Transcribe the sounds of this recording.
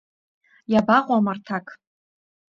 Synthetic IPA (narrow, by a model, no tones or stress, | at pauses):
jabaqʷʼamartʰakʼ